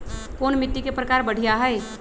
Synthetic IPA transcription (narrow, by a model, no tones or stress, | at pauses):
koːnmɪt̪ːikepɾəkaːɾbɐɽ̤ʱijaɦɛe